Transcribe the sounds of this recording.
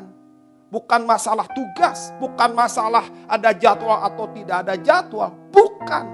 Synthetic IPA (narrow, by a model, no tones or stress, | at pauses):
n | bukanmasalaht̪uɡasbukanmasalahʔadad͡ʒat̪waʔat̪awt̪idaːdad͡ʒat̪wabuka̰n